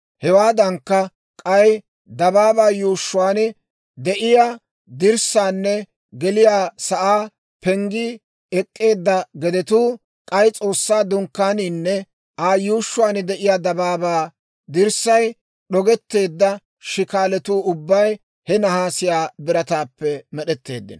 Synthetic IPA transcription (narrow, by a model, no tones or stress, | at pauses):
hɛwaːd̪ɐŋkːɐ | kʼɐj | d̪ɐbaːbaːjuːʃːʊwaːnɪ | d̪ɛʔɪja | d̪ɪɾsaːnːɛ | ɡɛlɪjaːsɐʔaː | pɛŋɡɪ | ɛkʼːe̞ːd̪ːɐɡɛd̪ɛt̪uː | kʼɐjt͡sʼo̞ːsːaːd̪ʊŋkːaːniːnːɛ | ʔaːjuːʃːʊwaːnd̪ɛʔɪjaːd̪ɐbaːbaː | d̪ɪɾsɐj | ɗɔɡɛt̪ːe̞ːd̪ːɐ | ʃɪkaːlɛt̪uːʊbːɐj | hɛnɐhaːsɪjaːbɪɾɐt̪aːpːɛmɛɗɛt̪ːe̞̰ːd̪ːɪ̰n